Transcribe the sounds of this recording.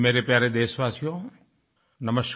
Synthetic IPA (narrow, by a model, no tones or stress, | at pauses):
meːɾepjaːɾed̪eːsʋaːsijõː | nɐməs